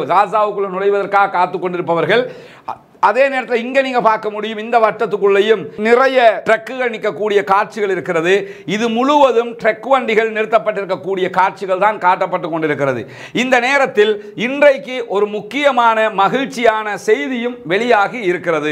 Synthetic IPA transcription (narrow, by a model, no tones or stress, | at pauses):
ɣaːsaːʋɯkːɯɭːɐnʊɽɐɪʋɐðɐɾkaːɣɐkaːt̪ːɯkːɔɳɖɪɾɯp̬ːɐʋɐɾɣɐɭ | ɐðeːneːɾɐt̪ːɪlɪŋɡeːnɪŋɡɐpaːɾkɐmʊɽɪjɯmɪnd̪ɐʋɐʈːɐt̪ːɯkːɯɭːɐjɯmnɪrɐjɐʈɾɐkːɯɣɐɭnɪkːɐkːuːɽɪjɐkaːɾt͡ʃɪɣɐɭɪɾɯkːɪrɐðɯɪðɯmʊɻʊʋɐðɯmʈɾɛkːɯʋɐɳɖɪɣɐɭnɪɾɯt̪ːɐpːɐʈːɪɾɯk̬ːɐkːuːɽɪjɐkaːɾt͡ʃɪɣɐɭt̪aːnkaːʈːɐpːɐʈːɯkːɔɳɖɪɾɯkːɪrɐðɯ̰ | ɪnd̪ɐneːɾɐt̪ːɪl | ɪndrɐɪkːɯʔɔɾɯmʊkːɪjɐmaːnɐmɐɣɪɻt͡ʃːɪjaːnɐsɛjðɪjɯmʋɛɭɪjaːɣiɪɾɯkːɪrɐðɯ